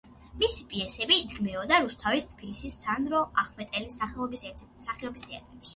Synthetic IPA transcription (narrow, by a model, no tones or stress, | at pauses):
misipʼiɛsɛbiːd̪ɡmɛɔd̪aɾust̪ʰavist̪ʰpʰilisisːanɾɔʔaχmɛt̪ʼɛlisaχɛɔbisɛ | saχɛɔbist̪ʰɛa̰t̪ʼɾɛpʃ